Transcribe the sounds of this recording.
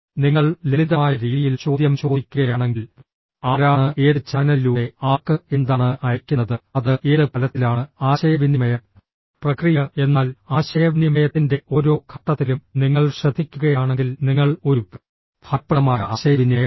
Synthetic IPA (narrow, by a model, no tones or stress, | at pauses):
niŋːɐɭleɭiðɐmaːjɐɾiːðijilt͡ɕo̞ːd̪jɐmt͡ɕo̞ːd̪ikʲːuɣɐjaːɳe̞ŋɡil | aːɾaːɳɨʔeːðɨt͡ɕːanɐiluːe̞aːkːɨend̪aːɳɨʔɐjɐkʲːunːɐðɨɐðɨʔe̞ːðɨpɐlɐt̪ːilaːɳɨaːɕɐjɐʋinimɐjɐm | prɐkrijɐe̞nːaːlaːɕɐjɐʋinimɐjɐt̪ːinde̞o̞ːɾo̞ːkʰɐt̪ːɐt̪ːilumniŋːɐɭɕrɐd̪ʱːikʲːuɣɐjaːɳe̞ŋɡilniŋːɐɭo̞ɾu | pʰɐɾpːɐɐmaːjɐaːɕɐjɐʋinjɐjɐ